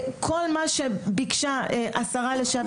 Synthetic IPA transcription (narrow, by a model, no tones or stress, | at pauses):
kʰo̞lmaʃebikʃaeʔasaʁaleʃa